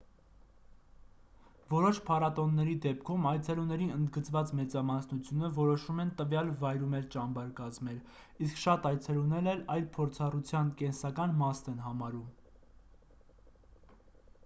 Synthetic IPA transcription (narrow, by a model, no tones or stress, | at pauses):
vɔɾɔʃpʰɑɾɑt̪ɔnːɛɾid̪ɛpkʰumɑjt͡sʰɛlunɛɾiənd̪ɡət͡svɑt͡smɛt͡sɑmɑsnut͡sʰjunəvɔɾɔʃumɛnt̪əvjɑlvɑjɾumɛlt͡ʃɑmbɑɾkɑzmɛɾ | iskʃɑt̪ɑjt͡sʰɛlunɛlɛlɑjlpʰɔɾt͡sʰɑrut͡sʰjɑnkɛnsɑkɑnmɑst̪ɛnɦɑmɑɾum